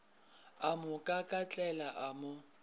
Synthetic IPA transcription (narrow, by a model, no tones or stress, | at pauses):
amʊkʼakʼat͡ɬʼɛlaʔamʊ